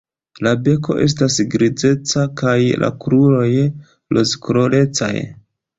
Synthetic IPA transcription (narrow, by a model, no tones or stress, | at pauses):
labe̞ko̞̰ʔe̞̰s̬tasɡɾid͡ze̞t͡sakajla̰kɾulo̞j | lozkuɾole̞t͡sa̰j